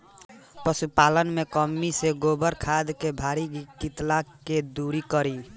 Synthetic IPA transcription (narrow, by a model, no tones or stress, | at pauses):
pɾəsupalənmekəmːiseɡobəɾkʰad̪kebʱaɾiɡkit̪laked̪uɾikəɾi